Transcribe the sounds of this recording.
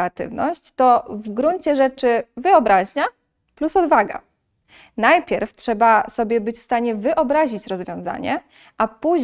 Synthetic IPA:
at̪ɘ̰vnɔ̰ɕt͡ɕt̪ɔvɡɾuɲt͡ɕɛʐɛt͡ʂɘvɘɔbɾaʑɲa | plusɔd̪vaɡa̰ | najpʲjɛɾftʂɛbasɔbʲjɛbɘt͡ɕfst̪aɲɛvɘʔɔbɾaʑit͡ɕɾɔzvʲjɔ̃w̃za̰ɲɛ | ʔapuʑ

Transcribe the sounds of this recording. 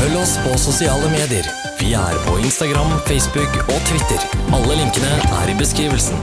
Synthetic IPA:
fœlːɔspʰɔsʊsɪɑːləmeːd̪ɪəɾ | ʋɪæ̰ɾpʰɔɪnst̪ɑɡɾɑmfɛɪsbʉkɔt̪ʰʋɪt̪ːəɾɑlːəlɪŋkənəæ̰ːɾɪbəskɾiːʋəlsn

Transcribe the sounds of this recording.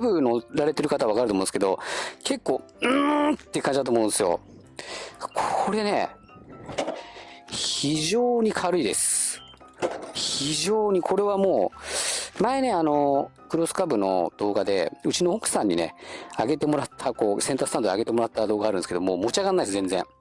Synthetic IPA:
abɯ̟no̞ɾaɾe̞t̪e̞ɾɯ̟kat̪aββakaɾɯt̪omõnske̞d̪o̞ke̞kːo̞ː | ɯ̃t̪ːekãɲ̟d͡ʑid̪at̪oːmõːnesɨjo̞̰ | kʰoɾe̞ne̞̰ | çiʑoːɲ̟ikʰaɾɯ̟id̪e̞̰sɨ̥ | çiʑoːɲ̟ikʰo̞ɾe̞βamoː | maene̞ano̞kɯ̟ɾo̞sɨ̥kabɯ̟no̞̰d̪̥o̞ːɡad̪e̞ɯ̟t͡ɕinoːkɯ̥sãɲ̟ːine̞̰aɡe̞t̪e̞mo̞ɾat̪ʰːako̞ːsẽnasɨ̥t̪ãnd̪aɡe̞t̪emo̞ɾat̪ːad̪o̞ːɡaːɾɯ̟nesɨ̥ked̪o̞moːmo̞t͡ɕiaɣanːaid̪esɨzẽ̞nd͡zẽ̞̰

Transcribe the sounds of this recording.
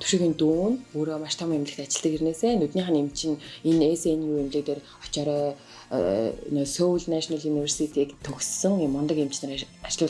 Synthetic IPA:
t̪ʰu̥ʃĭxint̪uːnuːɾoːmaʃt̪ʰɔmemʲɮɘ̆xt̪at͡ɕɪ̆ɮ̥t̪ə̆kirneːseːnut̪niːχănemʰt͡ɕɪ̆ninesenjuːemɮeːkt̪eːr | ɔ̥t͡ɕɔːɾɔ̰ː | sowɮnaʃɔnaɮuniwersit̪ʰiːkt̪ʰɵxssə̆ŋenmɔnt̪ə̆kem̥t͡ɕnăːr | at͡ɕɪɮʊː

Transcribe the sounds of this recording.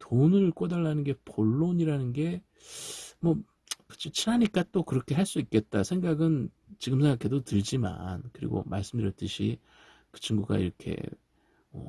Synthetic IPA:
tonɯɭk͈odaɭːanɯnɡe̞poɭːoɲiɾanɯnɡe̞ | mwʌ | pɯt͡ɕ͈ʰit͡ɕʰinaɲik͈at͈okɯɾʌkʰe̞ɦaɭs͈uik͈e̞t̚t͈asʰe̞ŋɡaɡɯn | t͡ɕiɡɯmsʰe̞ŋɡakʰe̞dotɯɭd͡ʑima̰nkɯɾḭɡo̰maɭs͈ɯmdɯɾjʌɭt͈ɯɕʰḭ | kɯ̥t͡ɕɯŋɡuɡa̰ḭɾʌkʰe̞̰ | mʌ

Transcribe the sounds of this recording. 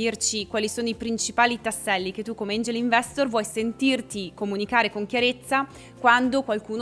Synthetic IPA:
irt͡ʃikwaːlisoːnoipɾint͡ʃipaːlit̪asːɛlːiket̪ːukːomeind͡ʒeliɱvɛst̪orvwɔjsent̪irt̪ikomunikaːɾekoŋkjaɾet̪sːa | kwand̪okwalkuːn

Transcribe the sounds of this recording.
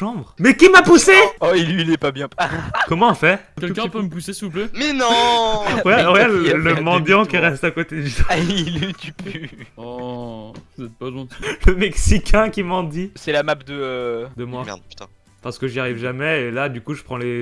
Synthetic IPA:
ɑ̃bʁmɛkʲimapuseɔilɥilɛpabjɛ̃pkɔmɑ̃fɛʁkɛlkɛ̃pøməpusesivuplɛmɛnɔ̃wɛwɛləmɑ̃d̪jɑ̃kʲiʁɛst̪akot̪ed̪ysailit̪ypyɔ | vuzɛt̪̚palwɛ̃ləmɛksikʲʰɛ̃kʲimɑ̃d̪isɛlamap̚d̪əød̪əmwaɛ̰̥t̪ | paʁsə̥kəʒiaʁivʒamɛelad̪ykuʒəpχɑ̃le

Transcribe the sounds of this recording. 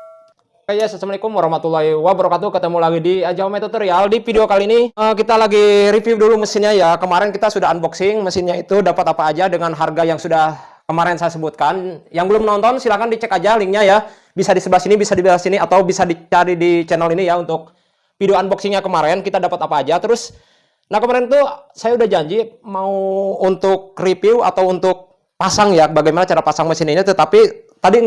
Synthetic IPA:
kajasasəmlikʊmɾahmat̪ulaɦewabəɾokat̪ukət̪əmulaɡidiad͡ʒaomɛt̪ut̪əɾialdifideokaliniəkit̪alaɡiɾifjuwduluməsɪnɲajakəmaɾɛnkit̪asudaɦanbɔksɪŋməsɪnɲait̪udapat̪apaːd͡ʒadəŋanɦarɡajaŋsudah | kəmaɾɛnsajasəbut̪̚kanjaŋbəlʊmnɔnt̪ɔnsilahkandit͡ʃɛkad͡ʒaliŋɲaja | bisadisəblasinibisadibalasiniat̪awbisadit͡ʃaɾidit͡ʃɛnəlinijaunt̪ʊk̚ | piduanbɔksiŋɲakəmaɾɛnkit̪adapat̪apaːd͡ʒat̪əɾʊs | nahkəmaɾɛnt̪usajaudahd͡ʒaɲd͡ʒimauːnt̪ʊk̚ripiwa̰t̪awunt̪ʊk̚ | pasaŋjabaɡajmanat͡ʃaɾapasaŋməsɪninat̪ət̪apit̪adi

